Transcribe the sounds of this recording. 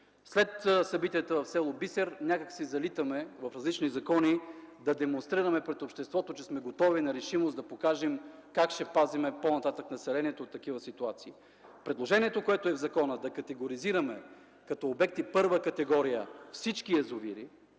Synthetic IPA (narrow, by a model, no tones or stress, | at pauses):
slɛt̪sɐbit̪iət̪əvɐfsɛlˠobisɛɾnʲakəksizɐlit̪əmɛvɐfɾɐzlit͡ʃnizɐkɔnid̪ɐd̪ɛmõnst̪ɾiɾɐmɛpɾɛt̪opʃt̪ɛst̪vɔt̪ot͡ʃɛsmɛɡot̪ɔvinɐɾɛʃimosd̪ɐpokaʒɛmkakʃɛpazimɛponɐt̪at̪əknɐsɛlɛniɛt̪ot̪ːɐkivəsit̪uat̪siː | pɾɛd̪lˠoʒɛniɛt̪okoɛt̪oɛvzɐkɔnəd̪ɐkɐt̪ɛɡoɾiziɾɐmɛ | kɐt̪ɔːbɛk̚t̪ipɤɾvəkɐt̪ɛɡɔɾijəfsit͡ʃkiɛzoviɾi